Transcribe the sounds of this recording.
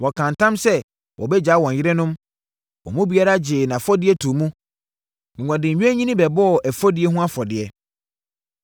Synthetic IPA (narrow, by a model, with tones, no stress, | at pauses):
wɔ˨kʰã˨ntʰã˦msɛ˦ | wʔɔ̰˨bɛ˦d͡ʑaː˨˦wɔ̃˨ɲ˨jɪ˦ɾɛ˦nʊ̃˦m | wɔ̰˨mũ˦bi˨a˦ɾa˦d͡ʑɪ˨nã˨fɔ˦dɪ˦ɛ˦tʰu˨mũ˦˨ | ɡʷã˨dɪ̃˨ɲ̩˨ɲᶣ˦ɛ˦ɲĩ˦nĩ˦bɛ˨bɔ˦ɔ˨ʔæ˨fɔ˦dɪ˦ɛ˦ɦũ˦a˦fɔ˨dɪ˨ɛ˦